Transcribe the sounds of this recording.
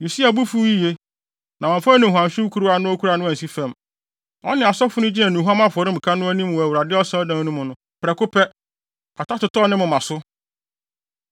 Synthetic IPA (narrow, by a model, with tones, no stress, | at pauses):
ju˨si˦a˨bu˦fu˦ji˦je˦ | nã˨ɔ̃˨fa˦nĩ˨ɦu˨ã˨mɕᶣɪ˦kʰu˦ɾu˦a˨nʊ̃˦ɔ˦kʰu˦ɾa˨nʊ̃˦æ˨si˦fɛ̃˨m | ɔ̰˦nɪ̃˨a˨sɔ˦fʊ˦nʊ̃˦d͡ʑi˦nɛ̃˨nũ˨ɦa˦mã˦fʊ˨ɔ˨ɾɪ̃˦m̩˨kʰa˦nʊ̃˦æ˦nĩ˦m˨wɔ˨æ˨wu˨ɾa˨dɪ˦ɔ˦sã˦ɔ˦dã˦ŋ˦nũ˦mʊ̃˨nʊ̃˦ | pɾɛ˨kʊ˦pʰɛ˦ | kʰa˨ta˦tʊ˨tɔ˦nɪ̃˦mʊ̃˨mã˨sʊ˦